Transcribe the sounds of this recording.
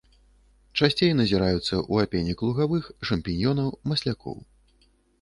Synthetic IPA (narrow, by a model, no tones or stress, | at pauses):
t͡ʂasʲt͡sʲejnɐzʲiɾajut̪sːɐʔuapʲenʲiklˠuɣavɨxʂɐmpʲinʲjɔnɐwmɐsʲlʲakɔ̰w